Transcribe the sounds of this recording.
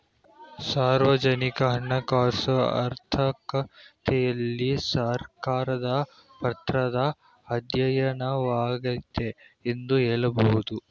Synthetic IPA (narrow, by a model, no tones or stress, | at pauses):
saːɾʋɐd͡ʒɐnikɐɦɐɳːɐkaːɾsɐɐ̰ɾt̪ʰɐkɐt̪ʰɛjɐlːisɐɾkaːɾɐd̪ɐ | pɐt̪ɾɐd̪ɐː | d̪jɐjɐnɐʋaːɡɐt̪ːeend̪ueːɭɐbɐɦud̪u